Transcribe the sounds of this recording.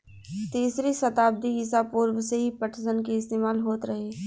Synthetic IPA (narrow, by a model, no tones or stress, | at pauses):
t̪iːsɾisɐt̪aːb̚d̪iɪsapuːɾwseɦipəʈʰsənkeɪst̪eːmaːlɦoːt̪ɾɐɦeː